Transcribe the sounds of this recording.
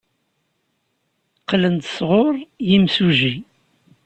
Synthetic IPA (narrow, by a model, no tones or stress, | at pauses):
qlənd̪sʁʊɾˤjimsuʒi